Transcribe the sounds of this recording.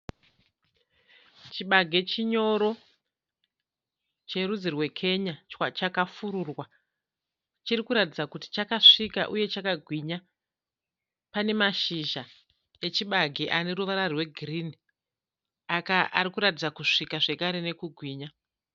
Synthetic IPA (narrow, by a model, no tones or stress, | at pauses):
t͡ʃiɓaɡʱe̞t͡ʃiɲo̞ɾo̞ | t͡ʃe̞rud͡zirwe̞kʰe̞ɲawat͡ʃakafuɾurwa | t͡ʃirikuɾatid͡zakuti̥t͡ʃakaʂika̰ʔuje̞t͡ʃakaɡʱwiɲa | pane̞maʃiʒa | e̞t͡ʃiɓaɡʱeʔane̞ɾuʋaɾarwe̞ɡʱirini | akaʔaɾikuɾatid͡zakuʂikaʐe̞kaɾe̞ne̞kuɡʱwiːɲa